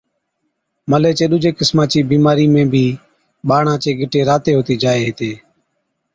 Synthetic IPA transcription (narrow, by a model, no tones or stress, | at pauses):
məleːt͡ʃeːɗʊd͡ʒʱeːkɪsmãːt͡ʃiːbiːmaːɾiːmẽːbʱiː | ɓaːɳãːt͡ʃeːɡɪʈeːɾaːt̪eːɦoːt̪iːd͡ʒaːeːɦet̪eː